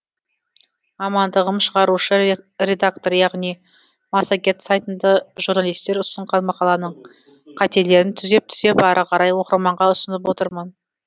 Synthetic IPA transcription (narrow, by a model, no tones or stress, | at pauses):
ɑmɑnd̪əʁəmʃəʁɑɾuʃəɾʲe̞d̪ak̚t̪o̞ɾjɑʁnij | mɑsakʲe̞t̪sajt̪ənd̪ɑʒuɾnalˠijst̪e̞ɾʊst̪əɴʁɑnmɑqɑlˠɑnəɴ | qʰɑt̪e̞le̞ɾɪnt̪ʰʏze̞p̚t̪ʰʏze̞pɑɾəqʰɑɾɑjwo̞qəɾmɑɴʁɑʊsənəp̬wo̞t̪əɾmən